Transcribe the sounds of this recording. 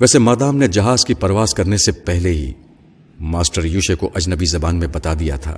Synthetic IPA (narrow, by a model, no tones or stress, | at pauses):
ʋɛːsemaːd̪aːmned͡ʒɐɦaːzkipɐɾʋaːzkɐɾnesepɛɦleɦḭ | maːsʈəɾjuːʃekoʔɐd͡ʒnəbizɐbaːnmẽbɐt̪ad̪ija̰t̪ʰa̰ː